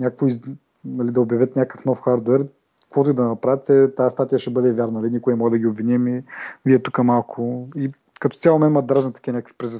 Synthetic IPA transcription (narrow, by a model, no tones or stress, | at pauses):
nʲakkvʊiz | nɐlid̪ɐʊbjɐvʲjət̪nʲakəfnɔfxaɾd̪wɛɾ | kvot̪ʊid̪ɐnɐpɾavət̪sɛt̪aast̪at̪ijəʃɛbɤd̪ɛvʲjaɾnɐnlʲinʲikʊɛɛmɔɡəd̪ɐɡʲiobvinʲimiviɛt̪ukəmalˠkʰʊi | kɐt̪ɔ̥sʲalˠmɛnmɐd̪ɾazɛnt̪ɐ̥kʲiɐnʲakəkfi̥pɾɛz